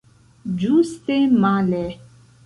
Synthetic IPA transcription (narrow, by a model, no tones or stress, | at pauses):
d͡ʒust̪emalɛ